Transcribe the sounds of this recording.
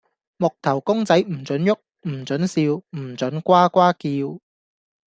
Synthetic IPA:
mʊ˨k̚t̪ʰɐ˨˩wkʊ˥ŋt͡sɐ˨˥jm̩˨˩t͡sɵ˨˥njʊ˥k̚ | m̩˨˩t͡sɵ˨˥nsiː˧wm̩˨˩t͡ʃɵ˨˥nkʷaː˥kʷaː˥kiː˧w

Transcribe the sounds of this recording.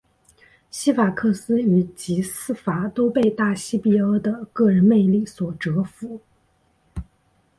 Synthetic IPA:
ɕi˥fa˨˩kʰɤ˥˩sɹ̩˥i˨˩t͡ɕi˧˥sɹ̩˥˩fa˨˩˦t̪o˥ʊpe˥˧ɪt̪a˥˩ɕi˥pi˥˩ə˥d̪ə˨kɤ˥˩ɻə˧˥nme˥˧ɪli˥˩swɔ˨˩ʈ͡ʂɤ˧˥fu˧˥

